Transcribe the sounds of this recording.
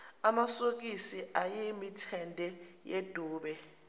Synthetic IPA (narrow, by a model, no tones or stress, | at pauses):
amasok̬ʼisiʔajemitʰɛndʱɛjed̥ʱuːɓɛ